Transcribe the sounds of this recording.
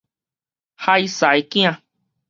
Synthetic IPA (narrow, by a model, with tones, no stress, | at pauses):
ha˦˧jsa˨e˧kĩ˦ã˧˨